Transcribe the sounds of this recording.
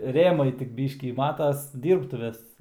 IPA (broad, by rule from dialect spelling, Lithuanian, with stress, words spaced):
ˈrʲeːmɐɪ tʲɪk ˈbʲiːʃʲkʲiː ˈmɑːtɐs ˈdʲiːrptʊʋʲeːs